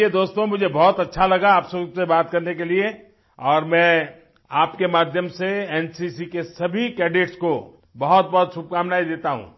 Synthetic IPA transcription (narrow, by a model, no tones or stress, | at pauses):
ed̪oːst̪õmʊd͡ʒʱebɔɦːt̪ɐtːʃʰalɐɡaaːpsɐɡsebaːt̪̚kɐɾnekelie | ɔːɾmɛ̃ː | aːpkemaːd̪ʱjəmseɛːnsisikesɐbʱikɛːɖɪʈsko | bɐɦɔt̪̚bɐɦɔt̪sʊb̚kaːmnaːid̪eːt̪aɦṵ̃ː